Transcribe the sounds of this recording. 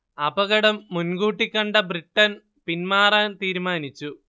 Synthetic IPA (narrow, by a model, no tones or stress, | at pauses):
ɐbɐɣɐɽɐmːunɡuːʈːikʲːɐɳɖɐbriʈːɐn | pinmaːraːnt̪iːɾumaːnit͡ɕːu